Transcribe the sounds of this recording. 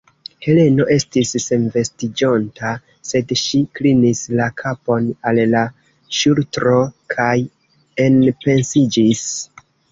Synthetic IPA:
he̞le̞no̞ʔe̞stisːe̞nve̞stid͡ʒo̞nta | se̞dʃiklinislakʰapo̞nalla | ʃultɾo̞kʰaj | e̞npe̞nsid͡ʒis

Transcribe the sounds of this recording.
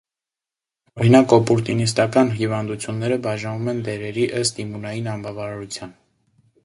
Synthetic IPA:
ɔɾinɑkɔpuɾt̪inis̬t̪ɑkɑnɦivɑnd̪ut͡sʰjunːɛɾəbɑʒɑnvumɛnd̪ɛɾɛɾiʔəst̪imunɑjinɑnbɑvɑɾɑɾut͡sʰjɑn

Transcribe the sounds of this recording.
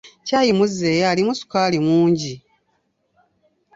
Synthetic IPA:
caːjimuze̞ːjalimusu̥kaːlimuːɲɟi

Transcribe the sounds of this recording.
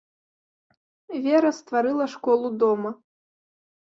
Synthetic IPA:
vʲɛɾɐst̪vaɾɨlˠɐʂkɔlˠud̪ɔmɐ

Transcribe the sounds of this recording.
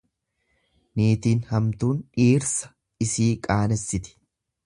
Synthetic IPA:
niːt̪iːnhɐmt̪uːnᶑiːɾsɐ̥ | ɪsiːkʼaːnɛsːɪt̪ɪ̥

